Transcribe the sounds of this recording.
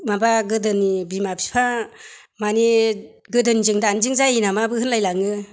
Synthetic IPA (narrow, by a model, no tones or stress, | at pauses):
mabaɡɯdɯnibimapʰi̥pʰa | mani | ɡɯdɯnizɯŋdaːnzɯŋzainamabɯhɯnlajlaŋɯ